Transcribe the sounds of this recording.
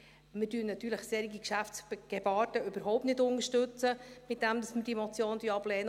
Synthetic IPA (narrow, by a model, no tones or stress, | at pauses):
mɪdyːnnɑt̪ːyːɾləχseːɾiɡikʃæfsɡ̥ebɑːtəʏb̥əɾɦɔʊptnɪtdʊnəʃtɵt͡səmɪt̚d̥ɛmd̥ɑsməd̥imɔt͡sjoːnd̪yːɑblɛːnə